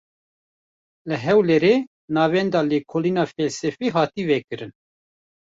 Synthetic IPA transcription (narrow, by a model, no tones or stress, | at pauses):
lɨɦɛwleɾeː | nɑːvɛnd̪ɑːleːkʰoːliːnɑːfɛlsɛfiːɦɑːt̪iːvɛkɨɾɨn